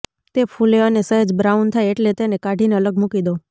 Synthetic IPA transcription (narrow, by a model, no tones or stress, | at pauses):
t̪epʰuleənesəɦed͡ʒbɾaunt̪ʰaieʈlet̪enekaɖʱineələɡmukid̪o